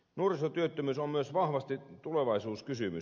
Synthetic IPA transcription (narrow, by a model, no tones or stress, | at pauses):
nuorisot̪yøt̪ːømyːsommyøsʋɑhʋɑst̪it̪uleʋɑˑisuːskysymy̰